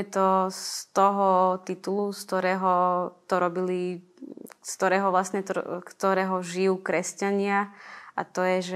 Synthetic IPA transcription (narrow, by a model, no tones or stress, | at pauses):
ɛt̪ɔst̪ɔɦɔt̪it̪ulust̪ɔɾɛːɦɔt̪ɔɾɔbili | st̪ɔɾɛːɦɔʋlasɲɛt̪ɔ̰kt̪ɔɾɛːɦɔʒijuːkɾɛscaɲɪaʔat̪ɔjɛʒ